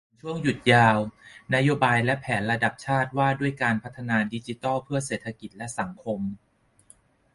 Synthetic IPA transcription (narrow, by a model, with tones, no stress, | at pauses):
t͡ɕʰu˥˩əŋju˨˩t̪̚jaː˧wna˦˥joː˧baː˧jlɛ˦˥pʰɛː˩˦nɾa˧da˨˩p̚t͡ɕʰaː˥˩t̪̚waː˥˩du˥˩əjkaː˧npʰa˦˥t̪ʰːa˧naː˧di˧˦˥t͡ɕi˦t̪ɔː˥˩pʰɯ˥˩ɐseː˨˩t̪ʰːa˧ki˨˩t̪̚lɛ˦˥sa˩˦ŋkʰo˧m